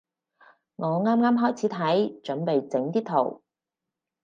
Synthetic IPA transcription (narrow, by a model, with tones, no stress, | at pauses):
ŋɔː˨˧ŋaː˥mŋaː˥mɦɔː˥˩jt͡sʰiː˨˥t̪ʰɐ˨˥jt͡ʃɵ˨˥npe˨jt͡sɪ˨˥ŋt̪iː˥t̪ʰo̰˨˩w